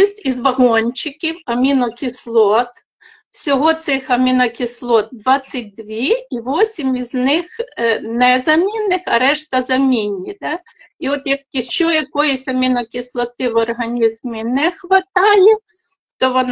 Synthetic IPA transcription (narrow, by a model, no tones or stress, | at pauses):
sʲtʲizʋɐɦɔnʲt͡ʃɪkʲiwɐmʲinɔkʲislˠɔt̪ | sʲɔɦɔt̪sɪxɐmʲinɐkʲislˠɔt̪̚d̪ʋɑt͡sʲːɐt̚ʲd̪ʋʲiiʋɔsʲimizʲnɪxnɛzɐmʲinːɪxɐɾɛʃt̪ɐzɐmʲinʲːid̪ɑ | iɔt̪jɐk̚ʲiʃt͡ʃɔjɐkɔjɪsʲɐmʲinɔkʲislˠɔt̪ɪʋɔrɦɐnʲizmɪnɛxʋɐt̪ɑjɛ | t̪ɔʋɔn